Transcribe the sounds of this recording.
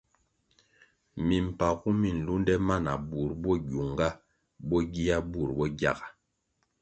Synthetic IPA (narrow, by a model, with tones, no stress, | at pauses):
mi˨m̩˨pa˨ɣu˦mi˨n̩˨lu˦n˦dɛ˦ma˦˨na˨bu˨ɾbɔ˦ɡu˨ŋɡa˦ | bɔ˦ɡi˦a˦bu˦˨ɾbɔ˦ɡja̰˦˨ɡa˨